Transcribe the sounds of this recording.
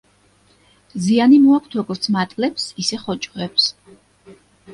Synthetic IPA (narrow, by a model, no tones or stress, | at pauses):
zianimɔakʷʰt̪ʰɔɡɔɾt̪sʰmat̪ʼlɛpsisɛχɔt͡ʃʼʁɛps